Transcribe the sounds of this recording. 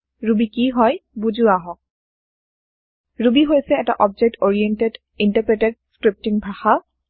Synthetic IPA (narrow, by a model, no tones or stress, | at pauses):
ɹubikiɦɔjbuzuaɦɔk̚ | ɹubiɦojsɛːta̰ʔɔb̚d͡ʒɛk̚toɹiɛntɛd | intəpɹɛtɛd̚skɹip̚tiŋbʱaxa